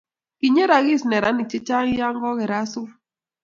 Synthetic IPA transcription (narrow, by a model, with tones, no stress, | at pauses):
ki˨ɲe˦ɾa˨ɣɪ˦˨snɛ˨ɾa˦ni˨t͡ʃe˦t͡ʃa˦ŋ˦ja˦ŋɡɔ˦ɣɛ˨ɾa˦sʊ˦